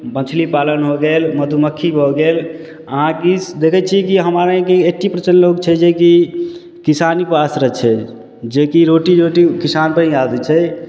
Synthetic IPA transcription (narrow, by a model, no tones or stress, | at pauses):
mət͡ʃʰlipalənɦoɡelməd̪ʱuməkʰːibʱoɡel | əɦãkid̪ekʰɛt͡ʃʰikiɦəmaɾẽkeeʈʰːipɾət͡ʃənloɡt͡ʃʰɛd͡ʒeki | kisanipasɾət͡ʃʰɛ | d͡ʒekiɾoʈiɾoʈikisanpəɾɦĩad̪ɛt͡ʃʰɛ